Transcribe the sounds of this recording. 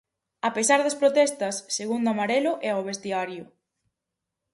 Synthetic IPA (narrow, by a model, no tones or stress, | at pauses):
apesaɾðɐspɾot̪ɛst̪ɐsːeɣund̪oamaɾɛlʊʔɛoβ̞est̪iaɾjʊ